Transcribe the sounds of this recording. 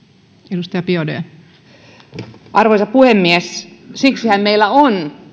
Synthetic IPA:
edust̪ɑjɑpiodḛː | ʔɑrʋoisɑppuhemːiessiksihæmmeilːˑæon

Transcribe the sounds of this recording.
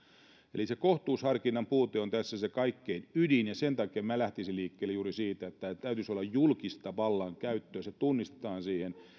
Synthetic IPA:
ḛlisekoht̪uːshɑrkinːɑmpuːt̪eont̪æsːæsekɑikːeinydinjɑsent̪ɑkiemmælæht̪isiliːkːeːlːejuːrisiːt̪æet̪ːæt̪æyt̪ysolːɑjjulkist̪ɑʋɑlːɑŋkæyt̪ːøːset̪unːist̪e̥t̪ɑːnsiːhen

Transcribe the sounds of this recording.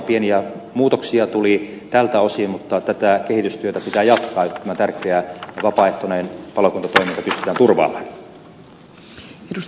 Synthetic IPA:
pieniæ | muːt̪oksiɑt̪uli | t̪ælt̪æosimut̪ːɑt̪æt̪ækehit̪yst̪yøt̪æpit̪æːjɑt̪kɑːjot̪ːt̪æmæt̪ærkeæʋɑpɑeht̪oneːnpɑlokunt̪ɑt̪oˑimint̪ɑpyst̪y̥t̪æːnt̪urʋɑ̰ːmɑn | edus

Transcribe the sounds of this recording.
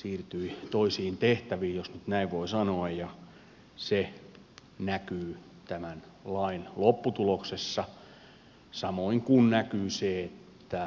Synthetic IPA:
siːrt̪yit̪oisiːnt̪eht̪æʋiːjosnyt̪næiʋʋoisɑnoɑjjɑ | se | nækyː | t̪æmæn | lɑinlopːut̪uloksesːɑ | sɑmoiŋkunnækyːseet̪ːæ

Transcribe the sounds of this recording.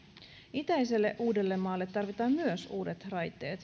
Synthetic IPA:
it̪æjse̞lːe̞ʔuːde̞lːe̞mːɑːlːe̞t̪ːɑrʋit̪ɑːmmyøsuːde̞t̪rɑjt̪ːˑe̞ːt̪

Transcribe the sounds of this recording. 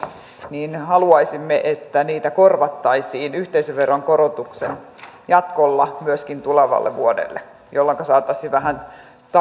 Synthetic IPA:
niːnhɑluɑisimːeʔet̪ːæniːt̪ækorʋɑt̪ːɑisiːnyht̪eisøʋʋerːɑŋkorot̪uksen | jɑt̪kolːɑmyøskint̪uleʋɑ̰lːḛʋuodḛlːḛ | jolːɑŋkɑsɑːt̪ːɑsːiʋæhæn | t̪

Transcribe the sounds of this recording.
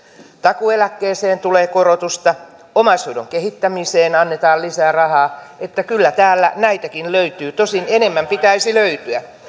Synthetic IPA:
t̪ɑkuelækːeːseːnt̪uleːkorot̪ust̪ɑ | omɑsodo̰ŋkehit̪ːæmiseːnɑnːet̪ɑːllisæːrɑhɑːet̪ːækylːæt̪æːlːæ̰næit̪ækinløyt̪yːt̪osinene̞mːæmpit̪æisiløyt̪yæ

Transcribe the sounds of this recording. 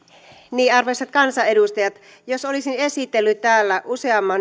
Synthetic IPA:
niːɑrʋesɑt̪̚kɑnsɑedust̪ɑjɑt̪ | josolisinesit̪ːelːyt̪t̪ːæːlːæʔuse̞ɑmːɑn

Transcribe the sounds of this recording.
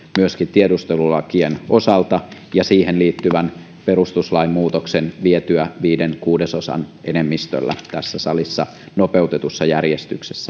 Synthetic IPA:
myøskint̪iedust̪elulɑkieno̞sɑlt̪ɑ | jɑsiːhenliːt̪ːyʋæn | perust̪uslɑimmuːt̪oksenʋiet̪yæʋiːdenkuːdesosɑ̰nʔenemːist̪ø̰lːæ̰t̪æsːæsɑlisːɑ | nope̞wt̪et̪usːɑjærjest̪ykse̥sːæ

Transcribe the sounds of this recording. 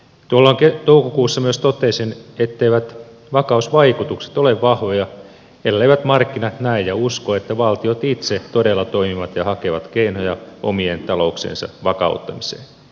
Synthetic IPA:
t̪uolːɑːŋket̪oukokuːsːɑmyøst̪ot̪esinet̪ːeiʋæt̪ | ʋɑkɑusʋɑikut̪ukse̥t̪oleʋʋɑhʋojɑ | elæleiʋæt̪mɑrkːinɑt̪næijjɑuskoet̪ːæʋɑlt̪iot̪it̪set̪odelːɑt̪oimiʋɑt̪jɑhɑkeʋɑt̪keinojɑʔo̰mient̪ɑlo̞uksḛːnsɑ̰ʋɑkɑ̰ut̪ːɑmise̥̰ːn

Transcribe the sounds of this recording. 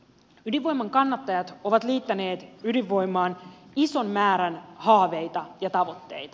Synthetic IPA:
ydiʋo̞jmɑŋkɑnːɑt̪ːɑjɑt̪o̞ʋɑt̪liːt̪ːæne̞ːt̪ydiʋːo̞jmɑːniso̞nːæːɾænhɑːʋe̞jt̪ɑjɑt̪ɑʋo̞t̪ːe̞̰jt̪ɑ

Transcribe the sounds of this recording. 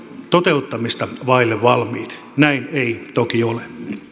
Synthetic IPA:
t̪ot̪eut̪ːɑmist̪ɑʋɑilːeʋʋɑlmiːt̪ | næineit̪okiole

